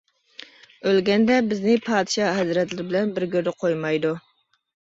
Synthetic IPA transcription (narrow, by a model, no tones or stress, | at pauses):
ølɡʲɛnd̪ɛbɪznɪpʰɑːd̪ɨʃɑːɦɛzɾɛt̪lɪɾɪbɪlɛnbɪɾɡʲøɾd̪ɛqʰojmɑjd̪u